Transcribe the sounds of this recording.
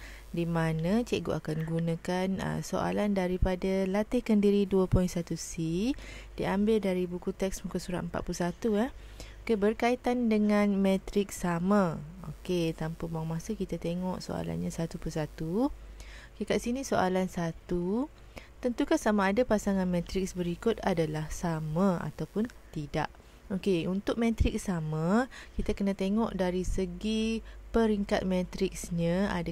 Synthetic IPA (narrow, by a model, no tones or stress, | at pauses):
dimanãt͡ʃeʔɡo̰ʔakanɡunãkanə̰so̰ʔa̰landaɾipadalat̪ɪhkəndiɾiduəpɔinsat̪usidiambɪldaɾibukut̪ɛksmukusuɾa̰ʔ̪əmpa̰ʔ̪plusat̪uah | okebərkait̪andəŋãnmɛ̃t̪ɾɪk̚samão̰ket̪ampəbuaŋmasəkit̪at̪eŋɔʔso̰a̰la̰nɲasat̪upusat̪u | okekaʔsinĩsoʔalansat̪u | t̪ənt̪ukasamaːdapasaŋanmɛ̃t̪ɾɪk̚sbəɾikʊt̪̚adalahsamãa̰t̪awpʊnt̪ida̰ʔ | okeunt̪ʊk̚mẽt̪ɾɪk̚samãkit̪akənãt̪eŋɔʔdaɾisəɡipəɾiŋkat̪̚mẽt̪ɾɪksɲãa̰da